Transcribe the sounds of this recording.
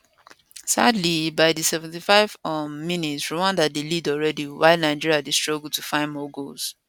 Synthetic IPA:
sa̰dlibaɪdisɛvɛ̃ntifaɪv̥ɔmĩnitsɹiwãndat̚delidɔlɹɛdiwaɪlnaɪd͡ʒiɹiadistɹ̥ɔɡul̩tufãɪ̃nmɔɡols

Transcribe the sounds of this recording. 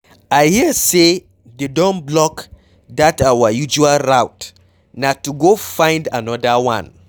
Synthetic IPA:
aɪhise | dedɔ̃nblɔk | datawajud͡ʒualɹawt | natuɡofãɪ̃ndanɔdawã̰n

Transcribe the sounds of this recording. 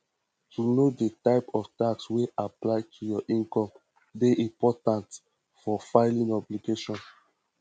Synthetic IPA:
tunodetaɪpɔftaksweaplaɪtʰujɔʔĩŋkɔ̃m | deʔĩmpɔtãnt | fɔfaɪlĩnɔbliɡeʃɔ̃n

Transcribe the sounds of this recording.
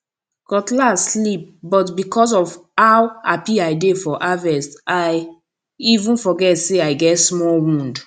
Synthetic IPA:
kɔtlaslip̚bɔtbikʰɔs̬ɔvhawapiajdefɔʔavɛstaj | ivũnfɔɡɛtseaɪɡɛtsmɔlwũnd

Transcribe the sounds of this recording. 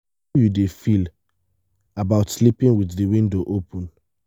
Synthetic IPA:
judefil | abaʊtslipĩŋwiððiwĩndoʔopʰɔ̃n

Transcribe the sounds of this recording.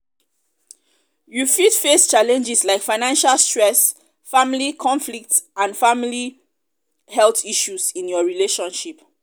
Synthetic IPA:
jufidfest͡ʃalɛ̃nd͡ʒɛslaɪkfaɪnãnʃalstɹɛs | fãmilikʰɔ̃nflik̚tãnfãmili | hɛltiʃusĩnjɔɹileʃɔ̃nʃip

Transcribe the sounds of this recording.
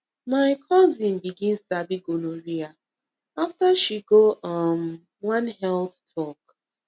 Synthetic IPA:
maɪkʰɔzĩn̩biɡĩnsabiɡonoɾia | aftaʃiɡoʔɔm | wãnɦɛldtʰɔk

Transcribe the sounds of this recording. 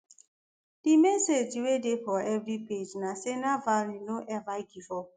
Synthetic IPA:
d̥ɪmesed͡ʒiwedepɔɛvɾiped͡ʒnasenavaɾinoʔɛvaɡifɔ

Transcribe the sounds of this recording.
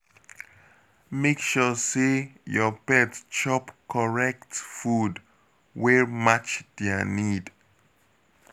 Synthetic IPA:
mekʃɔsejɔpɛtst͡ʃɔpkʰɔɹɛk̚tfud | wɛɹmat͡ʃdeanid

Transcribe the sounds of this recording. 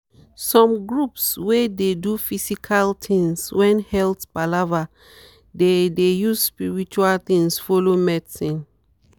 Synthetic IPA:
sɔ̃mɡɹupswededufisikʰaltʰĩŋswɛ̃nhɛltbalava | dedejuzspiɹit͡ʃualt̪ĩŋsfɔlomɛdsĩn

